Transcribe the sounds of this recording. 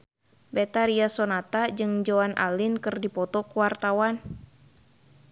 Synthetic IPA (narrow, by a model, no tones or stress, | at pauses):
bɛt̪aɾiasɔnat̪ad͡ʒɨŋd͡ʒoanʔa̰lɪnkɨrdipɔt̪ɔkuwart̪awan